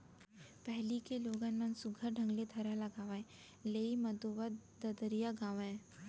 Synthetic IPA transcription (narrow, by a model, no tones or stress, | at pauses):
pɛɦlikeloːɡənmɐnsʊɡʱəɾɖʱə̃ŋɡlet̪ʰɐɾalɐɡaːʋaẽ | leːimɐd̪oʋəd̪ɐd̪əɾijaɡaːʋẽ